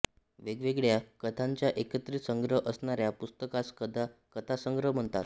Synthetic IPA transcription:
ʋeɡʋeɡɭjakət̪ʰaɲt͡ɕjaʔekət̪ɾisəŋɡɾəʔəsɳaɾjapust̪əkaskəd̪ʱakət̪ʰasəŋɡɾəɦm̤əɳt̪at̪

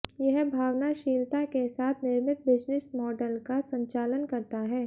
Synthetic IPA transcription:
jɛɦbʱaːʋnaʃiːlt̪akesaːt̪ʰnɪɾmɪt̪̚bɪd͡ʒnɪsmɔːɖəlkasə̃ɲt͡ʃaːlənkɐɾt̪aɦɛː

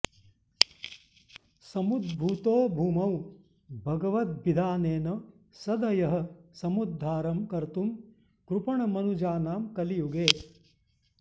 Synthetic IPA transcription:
sɐmud̪̚bʱut̪oːbʱuːmɐw | bʱɐɡɐʋɐt̪̚bid̪ʱaːneːnɐ | sɐd̪ɐjɐɦɐ̆sɐmud̪ʱːaːɾɐmkɐɾt̪um | kɾupɐɳɐmɐnud͡ʒaːnaːmkɐlijuɡeː

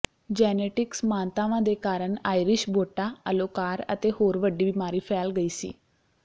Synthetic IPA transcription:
d͡ʒɛːneːʈɪksmãːnt̪aːʋãːd̪eːkaːɾəɳaːiɾɪʃbʱoːʈaːəloːkaːɾə̰t̪eːhoːɾʋəɖiːbɪmaːɾiːpʰɛːlɡəiːsḭː

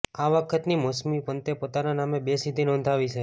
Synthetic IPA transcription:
aʋəkʰət̪nimɔsmipənt̪epot̪ananamebesid̪ʱinɔ̃nd̪ʱaʋit͡ʃʰe

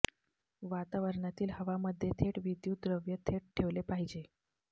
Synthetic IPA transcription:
ʋat̪aʋəɾɳat̪iːlhəʋaməd̪ʱːjet̪ʰeʈʋid̪juːt̪ɾəʋjət̪ʰeʈ̚ʈʰeʋlepaɦid͡ʑe

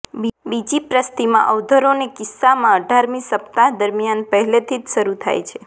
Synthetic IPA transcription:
bibid͡ʒipɾəst̪imã̰ʔəʋd̪ʱəɾonekɪsːamãəɖʱaɾmĩsəpt̪ad̪əɾmijanpəɦɛlet̪ʰid͡ʒʃəɾut̪ʰa̰jt͡ʃʰe

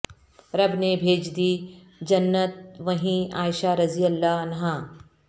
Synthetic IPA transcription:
ɾɐbnebʱeːd͡ʒd̪iː | d͡ʒɐnːət̪̚ʋɐɦĩaːɪʃaːɾɐzijəlːaːɐnɦaː

